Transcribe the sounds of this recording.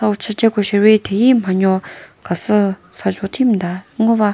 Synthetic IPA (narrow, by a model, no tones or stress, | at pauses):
awt͡ɕʰət͡ɕekoɕeʔweːt̪ʰejiːmaɲɔkasəsad͡ʑoʔt̪ʰimd̪aŋøwa